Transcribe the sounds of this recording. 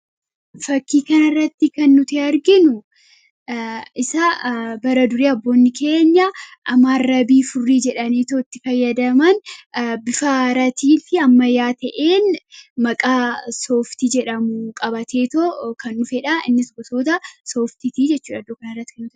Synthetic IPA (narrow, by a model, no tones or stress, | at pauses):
fɐkːiːkɐnɐrːɐt̪ːɪkɐnːʊt̪ɪɐɾɡɪnʊ | ɪsɐbɐɾɐd̪ʊɾiːɐbːo̞ːnːɪkʰe̞ːɲːɐʔɐmːaːrːɐbiːfʊrːiːd͡ʒɛᶑɐniːt̪oːɪt̪ːɪfɐjːɐd̪ɐmɐnbɪfaɾɐt̪iːfɪɐmːɐjaːt̪ɐʔeːnmɐkʼaːso̞ːft̪id͡ʒɛᶑɐmukʼɐbɐt̪ʰe̞ːt̪okɐnːʊfɛᶑɐɪ̰nːɪsɡɔso̞ːt̪̬ɐso̞ːft̪ɪt̪iːd͡ʒɛt͡ʃːuːᶑɐd̪ːoːkɐnɐrːɐt̪ːɪ̥kɐnːʊt̪